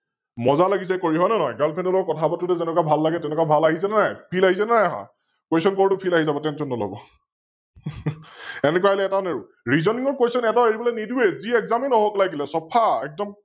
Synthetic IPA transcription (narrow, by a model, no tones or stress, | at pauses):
mɔzalaɡis̬ɛkoɹiɦɔjnɛnɔjɡalpʰɛndɔlɔkɔtʰabɔtutɛzɛnɛkabʱalːaɡɛtɛnɛkabʱalaɦisɛnɛnajpʰilaɦis̬ɛnajɦɔ̰j | kwosɔnkɔɹtʊpʰilaɦizabɔtɛnsɔnːɔlɔ̰bɔ̰ | ɛnɛkuwaelɛːtaneɹu | ɹizɔniŋɔɹkesɔnɛtɔeɹibɔlɛnidueziɛkzaminɔɦɔklajɡilɛsɔpʰaɛk̚dɔm